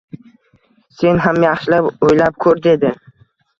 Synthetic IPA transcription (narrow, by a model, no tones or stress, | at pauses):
se̞nɦamjaχʃɪlapojlap̚kʰɵɾd̪e̞d̪ɪ